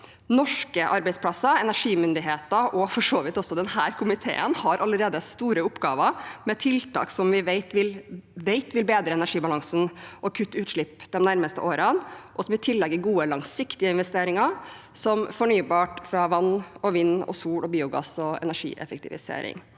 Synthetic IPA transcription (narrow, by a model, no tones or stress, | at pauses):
nɔʂkəʔɑɾbɛɪspʰlɑsːəɾɛnæʂiːmʏnd̪ɪɦeːt̪əɾʔɔfɔʂoːʋɪt̪ɔsːɔd̪ɛnhæːɾkʰʊmɪt̪ʰḛːə̰nhɑɾʔɑlːəɾeːd̪əst̪uːɾəʊpːɡɑ̰ːʋəɾmɛt̪ʰɪlt̪ʰɑ̰ːksɔmʋɪʋeɪt̪ʋɪlʋeɪt̪ʋɪlbeːd̪ɾəɛnæʂiːbɑlɑŋsnʔɔkʰʉt̪ːʉːt̪ʂɭɪpːd̪̥ɛmnæɾməst̪ə̰ʔoːɾənʔɔsɔmʋɪlt̪ʰɪlːɛɡːəɾɡuːəlɑŋsɪkt̪ɪəɪnʋɛst̪eːɾɪŋɑ | sɔmfɔɳyːbɑːʈfɾɑʋɑnːɔʋɪnːɔ̰suːɽɔbiːʊɡɑ̰sɔɛ̰næʂḭːʔɛ̰fɛk̚t̪ʰɪʋɪ̰sḛːɾɪ̰ŋ